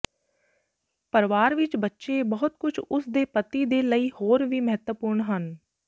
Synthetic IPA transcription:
pəɾʋaːɾʋɪt͡ʃbətːʃeːbəɦʊt̪kʊt͡ʃʰʊsd̪eːpət̪iːd̪eːləiːhoːɾʋiːməɦət̪wəpʊːɾɳɦən

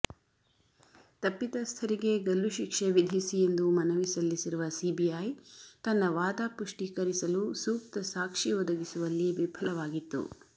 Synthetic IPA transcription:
t̪ɐpːit̪ɐst̪ʰɐɾiɡe̞ɡɐlːuʃikʂeʋid̪ʱisije̞nd̪umɐnɐʋisɐlːisiɾuʋɐsiːbijajt̪ɐnːɐʋaːd̪aːpuʂʈikɐɾisɐlusuːk̚t̪ɐsaːkʂiɔd̪ɐɡisuʋɐlːiʋibʱʰɐlɐʋaːɡit̪ːṵ

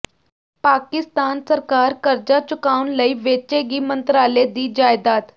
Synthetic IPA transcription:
paːkɪst̪aːnsəɾkaːɾkəɾd͡ʒaːt͡ʃʊkaːʊnləiːʋeːt͡ʃeːɡiːmənt̪ɾaːleːd̪iːd͡ʒaːɪd̪aːt̪

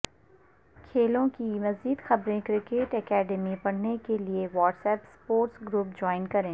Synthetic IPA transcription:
kʰeːlõkimɐziːd̪xɐbɾẽkɾɪkeːʈɛkɛːɖəmipɐɽ̤nekelieʋɔːʈsɛːpspoːɾʈsɡɾuːp̚d͡ʒɔːɪnkɐɾẽː

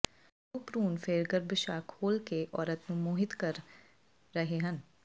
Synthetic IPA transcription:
upɾuːnfeːɾɡəɾbɪʃaːkhoːlkeʔɔːɾət̪nũmoːɦɪt̪kɐɾː | ɐɦeɦɐ̃n

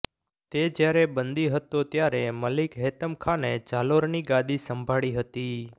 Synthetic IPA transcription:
t̪ed͡ʒjaɾebənd̪iɦət̪ːot̪jaɾeməlikɦet̪əmkʰaned͡ʒaloɾniɡad̪isəmbʱaɭiɦət̪i

